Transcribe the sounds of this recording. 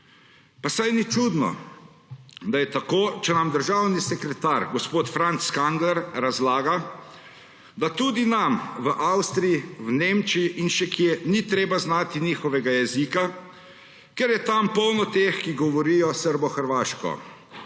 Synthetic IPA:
pasajnit͡ʃud̪nɔ̰ | d̪ajɛt̪akoːt͡ʃɛnamd̪əɾʒaːwnisɛkɾɛt̪aːɾɡɔspoːt̪fɾant̪skaŋɡlɛɾɾazlaːɡa | d̪at̪ud̪inamʋəʔawst̪ɾijiwneːmt͡ʃiiʔinʃɛkjɛnit̪ɾeːbaznaːt̪iniːxɔʋɛɡajɛziːka | kɛɾjɛt̪ampɔwnɔt̪exkiɡɔʋɔɾijɔsəɾbɔxəɾʋaːʃkɔ̰

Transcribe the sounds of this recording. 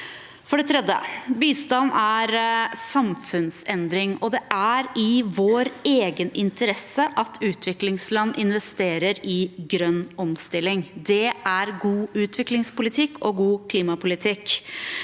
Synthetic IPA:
fɔɖɛt̪ʰɾɛd̪ə̰biːst̪ɑnːæɾsɑmfʉnsɛnd̪ɾɪŋɔd̪ɛʔæɾɪʋoːɾeːɡənɪnt̪əɾɛsəʔɑt̪ʰʉːt̪ʰʋɪklɪŋslɑnːʔɪnʋɛst̪eːɾəɾɪɡɾœnːɔmst̪ɪlːɪŋd̪ɛæɾɡuːʉːt̪ʰʋɪklɪŋspʊlɪt̪ʰɪkːɔɡuːkʰliːmɑpʰʊlɪt̪ʰɪk

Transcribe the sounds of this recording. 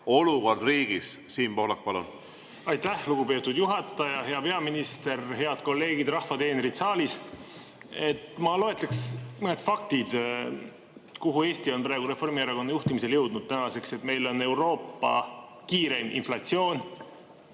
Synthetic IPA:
o̞luvɑd̪riːɡ̥issiːnpo̞hlɑk̚pɑlṵn | ɑjt̪ːæhluɡ̥upe̞ːt̪ːˑud̪̥juɦɑt̪ːˑɑjɑɦe̞ɑpe̞ɑminist̪e̞rɦe̞ɑd̪̥̚ko̞lːe̞ːɡ̥id̪rɑhfɑt̪e̞ːneɾid̪sɑːlis | e̞t̪ːmɑlo̞et̪ːˑleksmɤne̞d̪fɑk̚t̪id̪̥ | kuɦue̞ːst̪io̞npɾɑːɡuɾefo̞rmiɑɾɑko̞nːɑjuht̪imise̞ljɤwd̪̥nud̪̥̚t̪ænɑse̞kse̞t̪me̞jlo̞nːe̞wɾo̞ːpːɑ̰ | kiːɾe̞mḭnflɑt̪sio̞ːn

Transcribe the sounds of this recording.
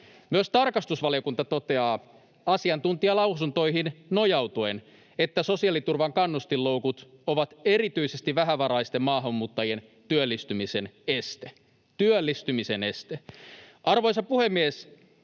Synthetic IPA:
myøst̪ɑrkɑst̪usʋɑlio̞kunt̪ɑt̪o̞t̪eɑː | ɑsiɑnt̪unt̪iɑlɑwsunt̪o̞iɦinno̞jɑwt̪uen | et̪ːæso̞siɑlit̪urʋɑŋkɑnːust̪illːoukut̪oʋɑt̪eɾit̪yisest̪iʋæɦæʋɑɾɑist̪emmɑːɦɑmːuːt̪ːɑjen | t̪yølːist̪ymisenest̪e | t̪yølːist̪ymisene̞st̪eʔɑrʋo̞jsɑpuhe̞mːies

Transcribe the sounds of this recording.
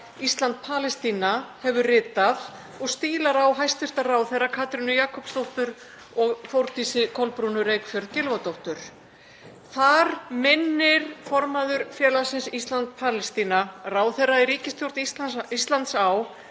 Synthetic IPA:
ist̪lant̪̚pʰaːlɛst̪iːnahɛvʏrɪːt̪að | ɔɣst̪iːlaɾawɦajst̪vɪr̥t̪araːwθejrːakʰaːt̪ɾɪnʏjaːkʰɔpst̪owht̪ʏɾ | ɔɣfowɾt̪isɪkʰɔlpɾuːnʏɾeːjkfjœɾðcɪlvat̪owht̪ʏɾ̥ | θaɾmɪnːɪɾ̥fɔɾmaðʏɾfjɛːlasɪnsist̪lant̪̚pʰaːlɛst̪iːnaraːwθejrːaɛɾriːcɪst̪ʰjowɾ̥t̪isist̪lant̪saw

